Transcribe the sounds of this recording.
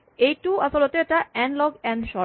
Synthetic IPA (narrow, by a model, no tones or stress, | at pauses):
ejʈuasolot̪oeʈaɛnlɔɡɛnʃɔ